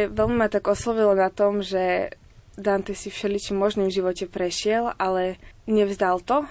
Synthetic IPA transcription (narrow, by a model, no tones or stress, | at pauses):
ʋɛlmimat̪aɡɔslɔʋilɔnat̪ɔmʒɛ | d̪ant̪ɛsifʃɛlit͡ʃimːɔʒnimvʒiʋɔcɛpɾɛʃɪɛlʔalɛɲɛvzd̪alt̪ɔ